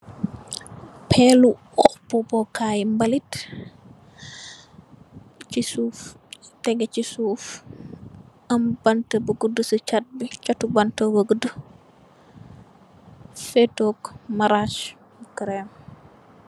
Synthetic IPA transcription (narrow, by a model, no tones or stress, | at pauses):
pʰɛlu | ɔxpɔbɔkʰaːjmbɐlit | t͡ʃisuːf | tɛɡɛt͡ʃisuːf | ɐmbɐntəbəɡudəsət͡ʃat̚bit͡ʃɐtubɐntəbəɡəd | fɛtoːkmɐɾaʃ | bkɾɛm